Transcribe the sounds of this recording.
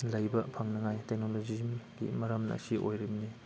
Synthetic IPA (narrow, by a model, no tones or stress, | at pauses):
lɐjbɐpʰaŋnɐŋajtek̚nolozimɡḭmɐɾɐmnɐ̰ːsiʔo̰jɾimni